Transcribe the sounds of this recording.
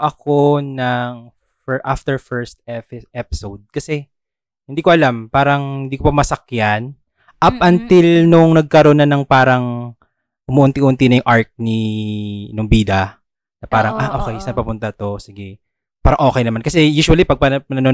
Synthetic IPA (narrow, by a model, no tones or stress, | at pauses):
ʔɐkonɐŋ | fɛɹʔaft̪ɛɹfɛɹst̪ɛpɪʔɛpɪ̥sowd̪̚kɐsɛ | hɪnd̪iːkoʔɐlampaːɾɐŋhɪnd̪iːkopɐmɐsɐkjan | ʔɐp̚ʔɐnt̪ɪlnʊŋnɐɡ̚kɐɾonɐnɐŋpaːɾɐŋ | ʔʊmoʔʊnt̪iʔʊʔʊnt̪ɪnɐjʊŋʔaɹk̚ni | nʊŋbiːd̪ɐ | nɐpaːɾɐŋʔaʔoːkɛjsɐɐpɐpʊnt̪ɐt̪o̞sɪɡɛ | paːɾɐŋʔo̞ːkɛjnɐmankɐsɛjuːʃʊɐlipɐɡ̚pɐpɐnɐno